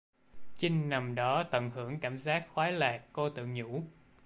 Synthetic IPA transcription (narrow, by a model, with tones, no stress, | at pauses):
t͡ɕi˧ŋ̟na˨˩mɗɔ˨˦t̪ə˧˩nhɨ˧˩əŋkaː˧˩mzaː˦˥t̚xwaː˨˦laː˨˩kːo˧t̪ɨ̰˧˨ŋɲṵ˧˥